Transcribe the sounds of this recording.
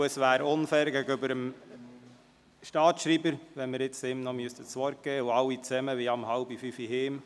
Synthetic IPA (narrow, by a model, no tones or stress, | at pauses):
əsʋæːɾʊnfɛːɾɡæɡəʏbəɾəm | ʃtɑːtʃɾibəɾʋɛnmɪɾɪt͡sɪmnɔmyəst̪ət͡sʋɔɾk̚ɡ̥ɛːuɑwːit͡sɛməʋiɑmhɑʊbifyfiɦeːm